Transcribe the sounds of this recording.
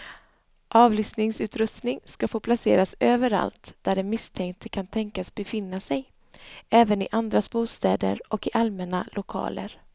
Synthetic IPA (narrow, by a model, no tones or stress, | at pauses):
ʔɑːvlʏst̪nɪŋsʉ̟ːt̪ɾɵst̪nɪŋskafoːpʰlaseːɾasøːvəɾa̰lt̪d̪̥æɖɛmɪst̪ʰɛŋkt̪ʰəkʰant̪ʰɛŋkasbɛfɪnːasɛj | ɛːvənɪʔand̪ɾasbuːst̪ɛːd̪ə̰ɾʔɔkɪʔalmɛnalʊkʰɑ̰ːlə̰ɾ